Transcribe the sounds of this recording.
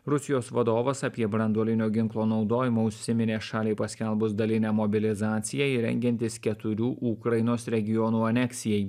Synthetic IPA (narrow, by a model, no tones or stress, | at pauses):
ɾʊsʲɪjoːsʋɐd̪oːʋɐsɐpʲiɛbɾɐnd̪uɔlʲɪnʲoːɡʲɪŋˑklˠoːnɒʊd̪oːjɪmoːʊʃʲsʲɪmʲɪnʲeːʃɑːlʲeɪpɐsʲkʲɛlˠbʊsd̪ɐlʲɪnʲɛːmɔbʲɪlʲɪzɑːt̪sʲɪjɛɪɾʲɛ̰ŋʲɡʲɛnʲt̪ʲɪskʲɛt̪ʊɾʲuːʔukɾɐjɪnoːsɾʲɛɡʲɪjɔnuːɐnʲɛksʲɪjɛj